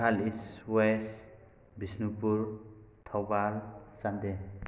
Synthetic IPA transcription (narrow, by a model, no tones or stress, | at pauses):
aliswes | bisnupuɾt̪ʰɔwbalsand̪e